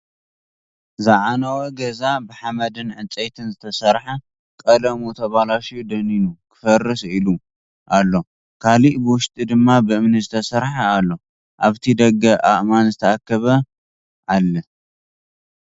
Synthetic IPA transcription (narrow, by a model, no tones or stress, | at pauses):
zaʕanɐwɐɡɐzabɨħamɐd̪ɨnʕɨt͡sʼet̪ʰɨnzɨt̪ʰɐsɐɾħɐ | kʼɐlɐmut̪ʰɐβalaʃjud̪ɐninukʰɨ̥fɐrːɨsilu | ʔalːo̞ | kʰaliʔbɨwʊʃt̪ʼid̪ɨmːabɨʔɨmnɨzɨt̪ʰɐsɐɾħaalːo̞ | ʔaβt̪ʰid̪ɐɡɐʔaʔmanzɨt̪ʰɐakːɐβɐ | ʔalːɐ